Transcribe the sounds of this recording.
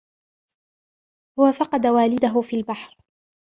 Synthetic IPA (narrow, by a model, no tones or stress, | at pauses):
hʊwafɑqɑd̪awaːlɪd̪aɦʊfiːlbaħɾ